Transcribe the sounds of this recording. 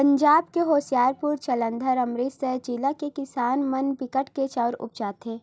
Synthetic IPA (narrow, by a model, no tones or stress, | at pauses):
pə̃ɲd͡ʒaːbkeɦoːsijaːɾpʊɾt͡ʃɐlə̃nd̪ʱəɾɐmɾiːt̪sed͡ʒilakekɪsaːnmɐnbɪkəʈʰket͡ʃaːɾʊ̰p̚d͡ʒaːt̪eː